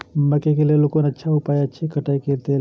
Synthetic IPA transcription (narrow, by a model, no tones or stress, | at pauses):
məkekelelokonətːʃʰaɦʊpaːjətːʃʰikəʈaiket̪e